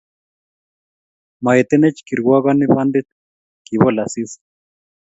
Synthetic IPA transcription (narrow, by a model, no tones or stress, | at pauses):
maet̪ɛnɛt͡ʃkiɾɣwaɣaniβand̪it̪̚ | kiβɔlasis